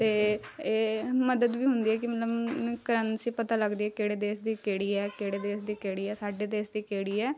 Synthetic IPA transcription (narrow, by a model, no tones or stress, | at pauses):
t̪eːeːməd̪əd̪ʋiːɦʊ̃nd̪iːɛːkɪmət̪ləbkəɾənsiːpət̪aːləɡd̪iːɛːkeːɽeːd̪eːsd̪iːkeːɽiːɛːkeːɽeːd̪eːsd̪iːkeːɽiːɛːsaːɖeːd̪eːsd̪iːkeːɽiːɛː